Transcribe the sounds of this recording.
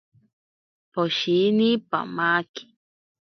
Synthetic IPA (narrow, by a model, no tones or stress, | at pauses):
poʃinipa̰maːki̥